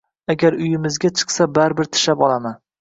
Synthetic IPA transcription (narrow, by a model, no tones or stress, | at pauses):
aɡʲaɾʊjɪmɪzɡʲat͡ʃʰɨ̥qsabaɾbɪɾt̪ʰɪ̥ʃapɒlˠaman